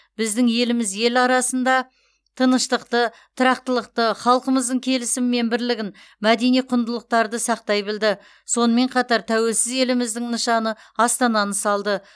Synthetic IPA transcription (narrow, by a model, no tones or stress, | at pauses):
b̥ɪzd̪ɪŋje̞lɪmɪzje̞lɑɾɑsənd̪ɑ | t̪ʰənəʃt̪əqt̪ə | t̪ʰəɾɑq̚t̪əlˠəqt̪əχɑlˠqəməzd̪əɴkʲʰe̞lɪsɪmːe̞nbɪɾlɪɡʲɪn | mæd̪e̞nijqʰʊnd̪əlˠəq̚t̪ɑɾd̪əsɑq̚t̪ɑjbɪld̪ɪ | so̞nəme̞ɴqʰɑt̪ɑɾt̪ʰæwe̞lsɪze̞lɪmɪzd̪ɪŋnəʃɑnə | ɑst̪ɑnɑnəsɑlˠd̪ə